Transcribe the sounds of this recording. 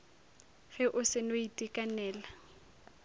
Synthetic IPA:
ɣɛʔʊsɪnoitʼikʼanɛːla

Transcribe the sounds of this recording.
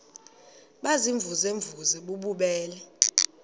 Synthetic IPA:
ɓaziɱvʱuzeɱvuzɛɓuɓuɓɛːlɛ

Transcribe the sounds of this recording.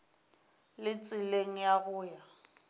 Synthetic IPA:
lɪt͡sʼɪleŋ̩jaɣʊːja

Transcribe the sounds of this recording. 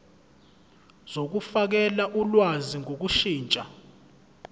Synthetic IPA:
z̥ok̬ufak̬ɛlaʔulwaziŋok̬uʃiːnt͡ʃʼa

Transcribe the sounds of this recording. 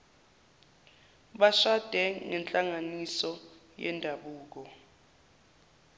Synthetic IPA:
ɓaʃad̥ʱɛŋɛnt͡ɬʼaŋanisɔ | jɛ̰ndʱaɓuːk̬ɔ

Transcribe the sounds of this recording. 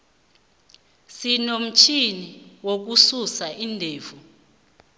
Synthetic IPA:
sinom̩t͡ʃʰiniwok̬ususaʔindʱeːvu

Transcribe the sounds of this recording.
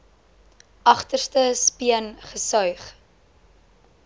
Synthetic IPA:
ʔɐχtərstəspiənχəsœɥχ

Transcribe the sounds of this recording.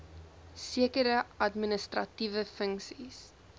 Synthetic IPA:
siəkəɾəɐtminəstrɐtivəfəŋksis

